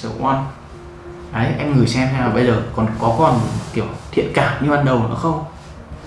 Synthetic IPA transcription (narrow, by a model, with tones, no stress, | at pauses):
sə̰˧˩kwa˧n | ʔə˨˦jʔɛ˧mŋɨ˨˩əjsɛ˧mt̪ʰɛ˧naː˨˩ɓə˧jzəː˨˩kɔ˨˩nkɔ˨˦ka˧˩ha˨˩˧t̪i˧˩əwt̪ʰḭ˧˨ənkaː˧˩ɲɨ˧ɓaː˨˧˩nɗə˨˩w̰ə̰˧˦xə˧wŋ͡m